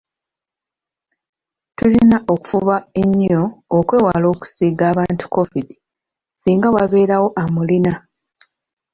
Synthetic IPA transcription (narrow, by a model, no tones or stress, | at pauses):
tulinaʔo̞ku̥fuβaeɲːo̞ːkwe̞ːwalo̞ːku̥siɡaːβaːntu̥ko̞fidi | siːŋɡawaβe̞ːɾawo̞ʔamulina